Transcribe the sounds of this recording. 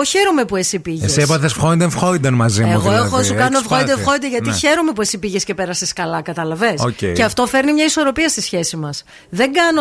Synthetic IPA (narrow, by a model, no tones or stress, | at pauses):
oçe̞ɾome̞puesipiʝesiepɐθesfxoind̪eɱfxoid̪ɐnmɐzieuɣoexosukɐnofxoind̪exoid̪eʝɐt̪içe̞ɾome̞puesipiʝesce̞pe̞ɾɐseskɐlɐkɐt̪ɐlɐve̞soceceɐft̪o̞fe̞ɾnimɲɐiso̞ɾo̞piɐst̪isçe̞simɐs | ðe̞ŋɡɐno